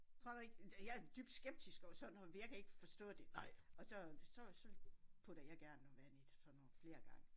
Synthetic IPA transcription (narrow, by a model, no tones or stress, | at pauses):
t͡sʰʁo̝ɐ̰d̥ɑe̝ɡ̥æjææɐd̥yːb̥d̥sɡ̥eb̥̚d̥isɡ̥ɒsɒ̥̽n̩ɒejɑ̈kʰæe̝ɡ̥əfɒ̽sd̥ɔ̰̽ːd̥e̝ɒ̽sɒ̽sɒ̽sɒ̽pʰod̥æjæɡ̥æɐnːoʋænid̥sɒnɔfle̝ːɐɡ̥ɑ̈ŋə